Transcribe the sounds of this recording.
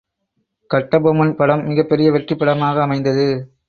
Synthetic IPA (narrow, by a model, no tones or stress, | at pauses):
kɐʈːɐbɐmɐnpɐɽɐmːɪɣɐpːɛɾɪjɐʋɛʈrɪpːɐɽɐmaːɣɐːmɐɪnd̪ɐðɯ